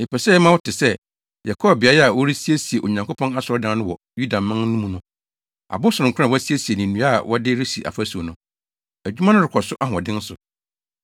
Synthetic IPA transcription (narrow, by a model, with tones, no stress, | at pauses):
e˨pɛ˨sɛ˦ɛ˦mã˦wʊ˦tʰɪ˨sɛ˦ | jɛ˨kʰɔ˦˨bɪ˨a˨˦jɛ˦a˨wɔ˦ɾi˦si˦e˦si˨e˨ʔo˨ɲã˨ŋkʊ˦pʰɔ̃˦na˦sɔ˨ɔ˦dã˨˦nʊ̃˦wɔ˨ | ju˦da˨mã˦n˦nũ˦mũ˦nʊ̃˦ | a̰˨bʊ˦sʊ˨ʊ̃˨ŋkʰʷʊ̃˦ã˦˨wɔ˦si˦e˦si˨e˨nĩ˨nũ˨˦a˦˨wʔɔ˦dɪ˦ɾɪ˦si˨ʔa̰˨fæ˦su˨o˨nʊ̃˦ | æ˨d͡ʑᶣu˦mã˦ʊ̃˦ɾɪ˨kʰɔ˨sʊ˦ʔa˦hʊ̃˨ɔ˨dɪ̃˦n˦sʊ˨